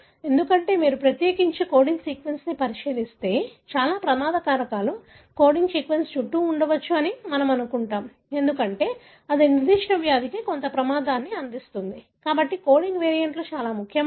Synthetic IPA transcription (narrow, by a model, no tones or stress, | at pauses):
e̞nd̪ukɐɳʈe̞ːmiːɾupɾɐt̪jeːkiɲt͡ʃiko̞ːɽiŋɡsiːkʋensnipɐɾiʂiːlist̪e̞ːt͡ʃaːlaːpɾɐmaːd̪ɐkaːɾɐkaːlu | ko̞ːɖiŋɡsiːkʋenst͡ʃuʈːuːɳɖɐʋɐt͡ʃːuɐnimɐnɐmɐnukuɳʈaːm | e̞nd̪ukɐɳʈe̞ː | ɐd̪iniɾd̪iːʂɳɐʋjaːd̪ikiko̞nt̪ɐpɾɐmaːd̪aːnːiɐnd̪ist̪und̪i | kaːbɐʈːiko̞ːɖiŋɡʋeːɾijɐɳʈloːt͡ʃaːlaːmukʰːjɐ